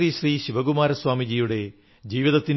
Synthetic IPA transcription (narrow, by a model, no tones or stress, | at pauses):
riːɕriːɕiʋɐɡumaːɾɐswaːmid͡ʑiːjuɽe̞ | d͡ʑiːʋiðɐt̪ːin